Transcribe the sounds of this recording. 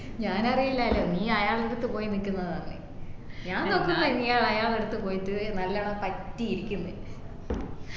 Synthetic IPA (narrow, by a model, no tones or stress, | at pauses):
ɲaːnɐrijilːɐːlːoːniːɐjaːɭeɽut̪ːɨpo̞ːjinikʲːunːɐðɨtɐnɳːɨ̰ | ɲaːnokːunːɐniːjaːɭɐjaːɭeɽut̪ːɨpo̞ːjit̪ːɨnɐlːaːɳɐpɐtːiiɾikʲːunːɨ